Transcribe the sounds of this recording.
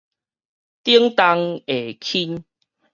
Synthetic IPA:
t̪i˦əŋt̪a˧ŋe˨kʰi˦n

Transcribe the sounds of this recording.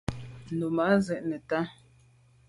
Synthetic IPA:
no˨ma˨˦zɛ˨ʔnɛ˨ta˦

